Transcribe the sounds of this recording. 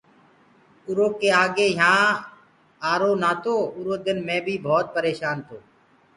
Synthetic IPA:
ʊɾoːkeːaːɠeːɦãː | aːɾoːnaːt̪ʰoːʊɾoːd̪ɪnmẽːbʱiːbʱɔːt̪̚pəɾeːʃaːnt̪ʰoː

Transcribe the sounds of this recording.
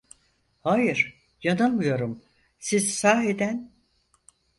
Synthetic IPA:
hajɯɾ̥ | janamɯjo̞ɾum | sizsaːɦed̪æn

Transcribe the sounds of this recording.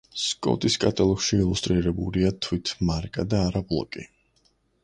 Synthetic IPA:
skʼɔ̰t̪ʼiskʼat̪ʼalˠɔkʃiːlˠust̪ʼɾiɾɛbuliat̪ʰwit̪ʰmaɾkʼad̪aːɾablˠɔ̰kʼi

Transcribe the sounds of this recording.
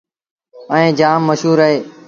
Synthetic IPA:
ə̃ẽːd͡ʒaːmːəʃɦuːɾəɦeː

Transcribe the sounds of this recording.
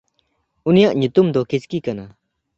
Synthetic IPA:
unijaʔɲut̪umd̪ɔkit͡ʃkikana

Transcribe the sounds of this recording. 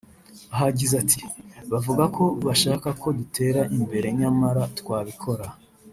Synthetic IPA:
aɦaɟizatʰiβavuɡako̞βaʃaːkako̞dutʰe̞ːɾaʔimbe̞ɾe̞ɲamaɾatwaːβikʰo̞ɾa

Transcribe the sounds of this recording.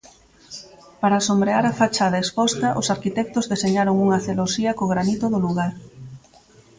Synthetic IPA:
paɾaːsombɾeaɾafat͡ʃaðɐespɔst̪ɐʔosaɾkit̪ɛk̚t̪ʊzðeseɲaɾoŋuŋɐθelosiɐkoɣɾanit̪ʊðʊluɣaɾ

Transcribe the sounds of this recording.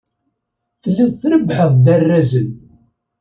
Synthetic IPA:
θlːiðθɾəbħəðˤd̪ərːæzən

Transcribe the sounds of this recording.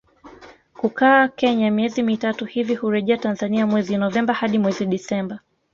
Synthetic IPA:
kukaːkɛɲamiɛzimitatuhivihuɾɛʄɛatanzaniamwɛzinɔvɛmbahaɗimwɛziɗisɛmba

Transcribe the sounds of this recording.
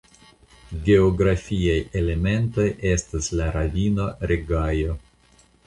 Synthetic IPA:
ɡe̞oɡɾafʲiaje̞le̞me̞nto̞je̞staslaɾavino̞ɾeɡajo̞

